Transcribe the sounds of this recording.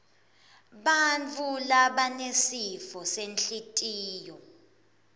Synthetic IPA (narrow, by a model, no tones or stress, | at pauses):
ɓant͡fʰʼulaɓanesifɔsenɬitʼiːjɔ